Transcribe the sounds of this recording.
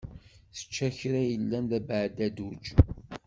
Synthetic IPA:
θə̥t͡ʃːæçɾæjəlːænlæbʕd̪æd̪ud͡ʒ

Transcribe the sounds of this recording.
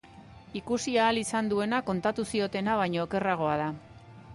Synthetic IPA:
ikusiaːlisand̪ue̞nako̞nt̪at̪usio̞t̪e̞naβaɲoːke̞raɣ̞o̞að̞a

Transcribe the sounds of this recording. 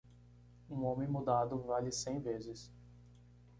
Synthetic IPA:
ũõmẽj̃mud̪ad̪ʊvalɪsẽj̃vezɪs

